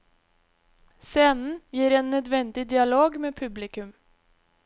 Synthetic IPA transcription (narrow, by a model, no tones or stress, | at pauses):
seːnn̩jiːɾeːnːœd̪ʋɛnd̪ɪd̪ɪɑloːɡmeːpʰʉblɪkʉm